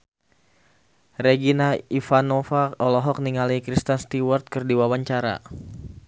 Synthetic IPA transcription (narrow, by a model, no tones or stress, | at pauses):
reɡinaifanofaʔɔlɔɦɔk̚niŋalikɾist̪anst̪iwart̪̚kɨrdiwawaɲt͡ʃaɾa̰